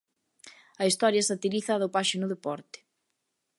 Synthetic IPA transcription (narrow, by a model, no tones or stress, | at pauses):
ɐist̪ɔɾjɐsat̪iɾiθaðʊpaʃɪnʊðepɔɾt̪ɪ̥